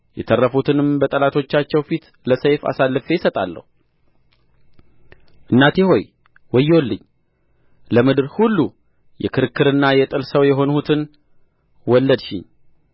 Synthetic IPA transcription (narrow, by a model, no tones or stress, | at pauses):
jɛt̪ʰərːəfut̪ʰɨnɨmbət̪ʼəlat̪ʰo̞t͡ʃːat͡ʃːɛwfit̪ | ləsəjfa̰salːɨfe̞jɪsət̪ʼalːə̰hu | ʔɨnːat̪jɛho̞j | wɔjːɛwlːɨɲː | ləmɨd̪ɨɾhulːu | jɛ̰kʰɨɾɨkːɨɾɨnːajɛt̪ʼɨlsəwjɛɦo̞nhut̪ʰɨn | wɔlːəd̪ʃɪ̰ɲ